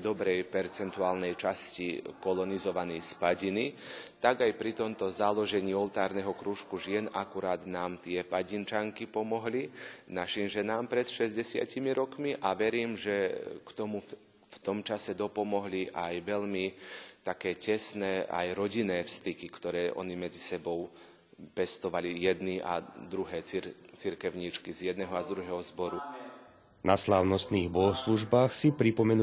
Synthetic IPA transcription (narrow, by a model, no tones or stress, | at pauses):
d̪ɔbɾɛjpɛɾt͡sɛnt̪uaːlnɛjt͡ʃascikɔlɔnizɔʋanɛjspaɟinit̪aɡajpɾit̪ɔmt̪ɔzalɔʒɛɲiːɔlt̪aːɾnɛɦɔkɾuːʃkuʒɪɛnʔakuɾaːd̪naːmt̪ɪɛpaɟint͡ʃaŋkipɔmɔɦlinaʃimʒɛnaːmpɾɛt̪ʃɛzɟɛsɪa̰cimiɾɔkmiʔaʋɛɾiːmʒɛkt̪ɔmu | ft̪ɔmt͡ʃasɛd̪ɔpɔmɔɦliʔajʋɛʎmit̪akɛːcɛsnɛːʔa̰jɾɔɟinɛːfst̪ikikt̪ɔɾɛːʔɔ̰nimɛd͡zisɛbɔʊ | pɛst̪ɔʋalijɛd̪niʔa̰d̪ɾuɦɛːt͡siɾkɛʊɲiːt͡ʃkizjɛd̪nɛɦɔazd̪ɾuɦɛːɦɔzbɔɾu | naslaːʊnɔst̪niːɣbɔɦɔsluʒbaːxsipɾipɔmɛn